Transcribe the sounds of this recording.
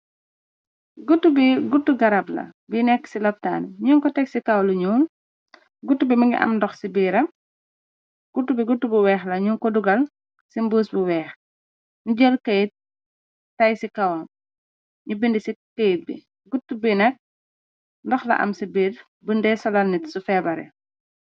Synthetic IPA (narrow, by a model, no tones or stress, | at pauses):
ɡutːubiɡutːuɡɐɾɐblɐ̰binɛksilɐp̚ta̰ːnɲuŋkɔtɛksikɐwluɲuːn | ɡutːubimɐŋḭʔɐ̰mndɔxsibiːɾɐm | ɡ̥utːubiɡutːubiwɛːxlɐɲuːŋkɔduɡɐl | simbəːsbuwɛːx | ɲuɟɔlkɐjt̚ː | ɐjsikɐwl | ɲubindisikɐjt̚bḭ | ɡutːubinɛk̚ | ndɔxlɐ̰ʔɐ̰msibiːr | bundɛsɔlɐlnitsufɛːbɐɾɛ̰